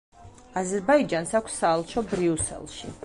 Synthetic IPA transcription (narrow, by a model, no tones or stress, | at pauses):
azɛɾbaid͡ʒansakʷʰsːaːlˠʃʰɔbɾiusɛ̰lˠʃi